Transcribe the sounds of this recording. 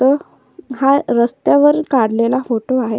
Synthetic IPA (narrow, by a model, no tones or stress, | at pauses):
t̪ə | ɦaɾəst̪jaʋəɾkaɽ̤lelafoʈoaɦe